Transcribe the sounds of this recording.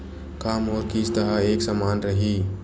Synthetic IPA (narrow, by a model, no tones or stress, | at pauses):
kaːmɔːɾkist̪əɦaeːksamaːnɾəɦi